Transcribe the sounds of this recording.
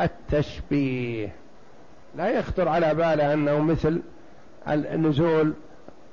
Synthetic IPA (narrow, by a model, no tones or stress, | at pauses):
ʔat̪ʰːaʃbiːh | lajɑxt̪ˤɨɾʕalabaːlaʔanːahmɪθl | ɪ̰nːʊzuːl